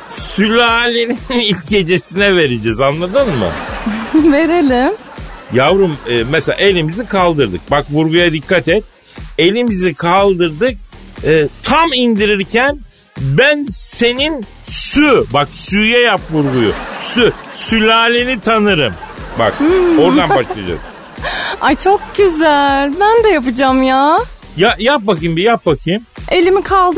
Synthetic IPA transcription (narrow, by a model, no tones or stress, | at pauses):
sylʲaːlʲeninilʲɟe̞d͡ʒe̞sinɛve̞ɾid͡ʒɛzanlˠad̪ɯnmɯ̰ | veɾelʲim | javɾɯmɯːmɛselʲaʔe̞lʲimizikʰalˠd̪ɯɾd̪ɯ̰k̚bakvuɾɡujad̪ikʰːat̪ɛt̪̚ | e̞lʲimizikʰalˠd̪ɯɾd̪ɯk̚ɯːt̪ʰamind̪iɾiɾcʰæn | bænse̞nin | sybaksyjɛjapvuɾɡujṵsysylʲaːlʲinit̪ʰanɯɾɯmba̰ko̞ɾd̪anbaʃlˠad̪ɯ̰o̰ɾṵm | at͡ʃʰok̚ɟyzælʲbænd̪ɛjap̬ɯd͡ʒamjaː | jajap̚bakɯjɯmbijap̚bakʰɯjɯme̞lʲimikʰalˠd̪ɯ